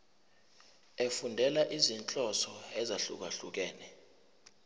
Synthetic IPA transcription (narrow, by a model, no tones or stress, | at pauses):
efundʱɛlaʔizint͡ɬʼɔsɔɛzaɬṵk̬aɬuk̬ɛːnɛ